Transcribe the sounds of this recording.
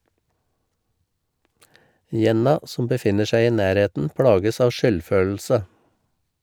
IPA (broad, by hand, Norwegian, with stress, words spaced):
ˈjɛnɑ ˈsɔm bəˈfɪnə ˈʃæɪ ˈiː ˈnæːɾˌheːtn̩ ˈpɽɑːɡəs ˈɑːʋ ˈʃʏlˌføːl̩sə